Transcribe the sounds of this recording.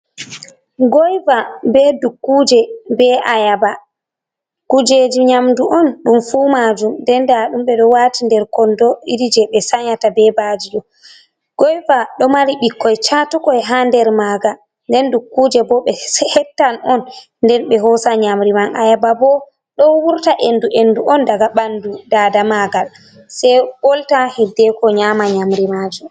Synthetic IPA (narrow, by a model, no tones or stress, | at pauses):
ɡɔjvabɛdukːuːd͡ʒɛbɛʔajaba | kud͡ʒed͡ʒiɲamduʔɔnɗumfumad͡ʒumdɛndaɗumɓɛɗɔwaːtindɛɾkɔndɔiɾid͡ʒɛɓɛsaɲatabɛbaːd͡ʒiɗɔ | ɡ̥ɔjvaɗɔmaɾiɓikːɔjt͡ʃatukɔɛɦandɛɾmaɡa | ndɛndukːud͡ʒɛbɔɓɛhɛtːanɔn | ndɛnɓɛɦɔsaɲamɾimanʔajababɔ | ɗɔwuɾtaʔenduʔenduʔɔndaɡaɓandudaːdamaɡal | sɛjɓɔltahidːɛkɔɲamaɲamɾimad͡ʒum